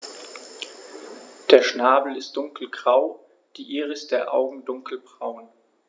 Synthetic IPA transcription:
d̥eːɐʃnaːbl̩ɪst̚d̥ʊŋkl̩ɡʁaʊ | d̥iːʔiːʁəsd̥eːɐʔa̰ʊɡŋ̩dʊŋkl̩bʁaʊn

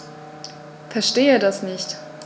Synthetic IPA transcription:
fɛɐʃteːədasnɪçt

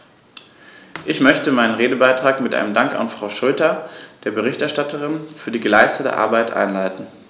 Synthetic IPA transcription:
ʔɪçmœçtəmaɪnənʁeːdəbaɪtʁ̥aːkmɪtʔa̰ɪnəmdaŋka̰nfʁ̥aʊʃɔːtɐd̥eːɐbəʁ̞ɪçtɛɐʃtatəʁɪnfyːɐdiːɡəlaɪstətə̰ʔa̰ɐbaɪtʔa̰ɪnlaɪtn̩

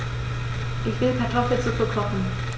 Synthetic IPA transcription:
ʔɪçv̥ɪlkʰaɐtʰɔfl̩t͡sukɐkʰɔχn̩

